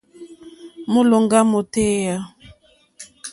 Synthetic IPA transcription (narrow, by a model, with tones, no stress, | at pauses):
mu˦lo˨ŋɡa˦mo˨te˦ja˦